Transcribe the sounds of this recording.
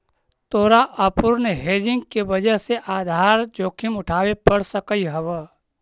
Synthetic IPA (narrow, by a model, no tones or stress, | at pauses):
t̪oːɾaʔəpʊɾnəɦeːd͡ʒɪ̃ŋɡkebəd͡ʒəseʔaːd̪ʱaːɾd͡ʒoːkʰɪmʊʈʰaːwepəɽsəkəiɦəʋə